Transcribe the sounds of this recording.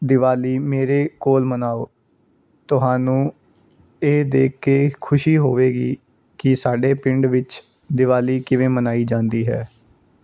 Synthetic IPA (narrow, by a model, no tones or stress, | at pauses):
d̪ɪʋaːliːmeːɾeːkoːlmənaːoː | t̪ʊɦaːnũː | eːd̪eːkʰːeːkʰʊʃiːɦoːʋeːɡḭː | kɪsaːɖeːpɪɳɖʋɪt͡ʃ | d̪ɪʋaːliːkɪʋẽːmənaːiːd͡ʒãːnd̪iːɦɛ̰ː